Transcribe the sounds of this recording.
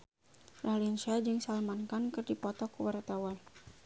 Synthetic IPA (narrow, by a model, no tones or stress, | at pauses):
ralinsiad͡ʒɨŋsalmankankərdipɔt̪ɔkuwaɾat̪awan